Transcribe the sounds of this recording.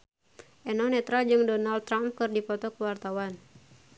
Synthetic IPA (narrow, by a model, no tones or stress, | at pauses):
ʔɛnɔnɛt̪ɾad͡ʒɨŋdɔnaldt̪ːɾamp̚kɨrdipɔt̪ɔkəwart̪awan